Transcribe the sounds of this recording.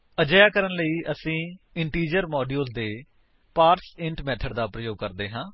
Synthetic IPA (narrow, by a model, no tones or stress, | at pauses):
əd͡ʒjaːkəɾənləiːʔəsĩː | ɪɳʈiːd͡ʒəɾmɔːɖiolzd̪eː | paːɾsɪ̃ɳʈmɛːʈ̪ʰəɖd̪aːpɾəjoːɡ̚kəɾd̪eːɦãː